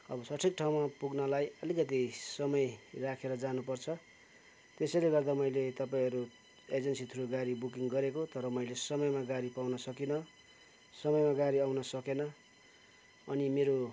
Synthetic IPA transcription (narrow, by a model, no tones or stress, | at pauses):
ʌbʌsʌʈʰik̚ʈʰaw̃mapuɡnʌlajʌlikʌt̪isʌmʌjrakʰeɾʌd͡zanupʌrt͡sʰʌ | t̪esʌjleɡʌrd̪amʌilet̪ʌpaĩɦʌɾu | ed͡zʌnsit̪ʰuɾoɡaɾibukiŋɡʌɾekot̪ʌɾʌmʌjlesʌmʌjmaɡaɾipawnʌsʌkinʌ | sʌmʌjmaɡaɾiawnʌsʌkenʌ | nimeɾo